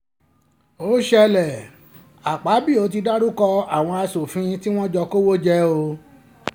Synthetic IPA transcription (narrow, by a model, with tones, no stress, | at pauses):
o˦ʃɛ˧lɛ˨ | a˨k͡pa˨˦bi˦˨o˨˦t̬i˧da˦ɾu˦kɔ˧a˦˨w̃ɔ̃˧a˧so˨fĩ˧˦ti˦w̃ɔ̃˦d͡ʒɔ˧ko˦wo˦d͡ʒɛ˦o˧